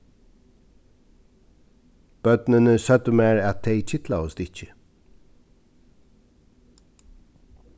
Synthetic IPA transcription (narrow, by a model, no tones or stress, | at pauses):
b̥œd̪nənəsœt̪əmæːɹɑt̪̚d̪eɪc͡çʰɪt̪lɑəst̪ɪçə